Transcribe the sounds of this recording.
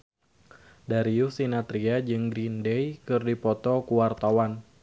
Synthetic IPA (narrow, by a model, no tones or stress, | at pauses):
daɾiusinat̪ɾiad͡ʒɨŋɡɾindɛjkɨrdipɔt̪ɔkuwart̪awan